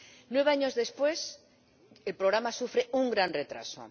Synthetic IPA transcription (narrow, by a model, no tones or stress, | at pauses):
nweβaɲozðespwes | elpɾoɣ̞ɾamasufɾeuŋɡɾanret̪ɾa̰so̰